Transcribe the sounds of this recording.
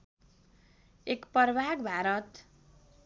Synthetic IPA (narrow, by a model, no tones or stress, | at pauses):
ekpʌrbʱaɡbʱaɾʌt̪